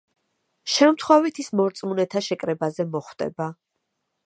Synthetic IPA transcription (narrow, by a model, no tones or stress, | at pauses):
ʃɛmt̪ʰχwɛvit̪ʰismɔɾt̪sʼmunɛt̪ʰaʃɛkʼɾɛbazɛmɔχwd̪̥ʼɛ̰ba